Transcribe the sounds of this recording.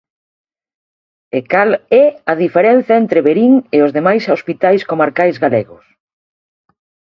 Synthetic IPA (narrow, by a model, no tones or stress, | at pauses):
ekalɛaðifeɾɛn̟θɐent̪ɾeβeɾiŋeozðemajsospit̪ajskomaɾkajzɣaleɣʊs